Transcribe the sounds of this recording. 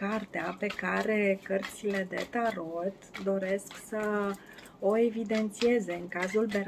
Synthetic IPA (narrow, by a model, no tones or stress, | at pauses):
kart̪eape̞kaɾe̞kərt̪sile̞d̪e̞̰t̪aɾot̪d̪o̞ɾe̞sksə | o̞e̞vid̪e̞nt̪sie̞ze̞ɨŋkazuld̪eɾ